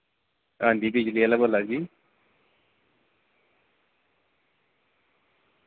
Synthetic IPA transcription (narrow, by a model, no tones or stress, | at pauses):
ãːnd̪iːbid͡ʒlialabolad͡ʒiː